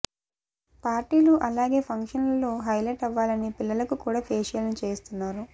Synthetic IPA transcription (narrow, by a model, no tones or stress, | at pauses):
paːɾʈiːluʔɐlaːɡe̞ːpʰɐŋkʂɐnlɐlːoːɦɐjleːʈɐʋːaːlɐnipilːɐlɐkukuːɽaːpʰeːʂjɐlnut͡ʃe̞ːst̪unːaːɾu